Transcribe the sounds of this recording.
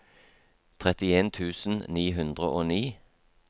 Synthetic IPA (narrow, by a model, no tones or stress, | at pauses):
t̪ʰʁɛt̪ɪeːnt̪ʰʉːsn̩niːɦʉnd̪ʁəʔoːniː